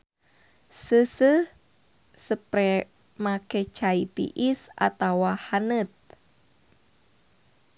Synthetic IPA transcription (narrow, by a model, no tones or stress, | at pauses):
səsəh | səpɾɛ | maket͡ʃait̪ḭʔisa̰t̪awahanət̪̚